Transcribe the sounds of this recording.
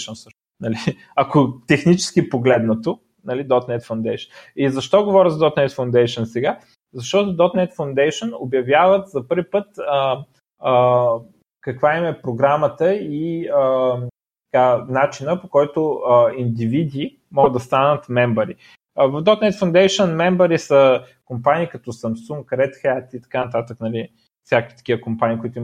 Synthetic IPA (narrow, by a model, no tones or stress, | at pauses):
ʃənsɤʃn | nɐli | ɐkot̪ɛxnit͡ʃɛ̥skipoɡlɛd̪nət̪o | nɐlid̪ɔt̪nɛt̪fɐwnd̪ɛjʃənizɐʃt̪ɔɡovɔɾʲəzɐd̪ɔt̪nɛt̪fɐwnd̪ɛjʃənsɛɡa | zɐʃt̪ɔt̪ʊd̪ɔt̪nɛt̪fɐʊnd̪ɛjʃəno̰bjɐvjavət̪zɐpɤɾvipɤt̪ə | ə | kɐkvaimɛpɾoɡɾamət̪əiə | t̪ɐ̥kanat͡ʃinəpokɔjt̪oəind̪ivid̪i | mɔɡəd̪ɐst̪anət̪mɛmbəɾi | vəvd̪ɔt̪nɛt̪fɐnd̪ɛjʃənmɛmbəɾisə | kompaniːkɐt̪ɔsɐmsuŋkɾɛt̪xɛt̪it̪ɐ̥kanɐt̪at̪əknɐli | fsʲjakkʲit̪ɐ̥kʲiəkompaniːkoit̪ʊi